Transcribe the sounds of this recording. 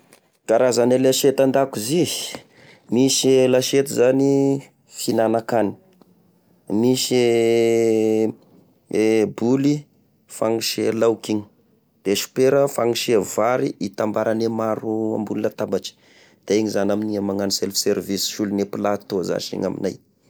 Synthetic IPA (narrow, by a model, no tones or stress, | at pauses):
ɡ̥aɾazanelaʃet̪and̪akuzi | miselaʃet̪izani | finanakani̥ | mise | buli | faŋiʃelawkiɲi̥ | d̪̥eʃu̥peɾəfaŋiʃevaɾiit̪ambaɾʔanemaɾua̰mbulinat̪abaʈ͡ʂi̥ | d̪̥aeɲizanaminiamaŋaniselfi̥seɾvisi̥ʃulunepilat̪oza̰ʃḭɲa̰mḭnaj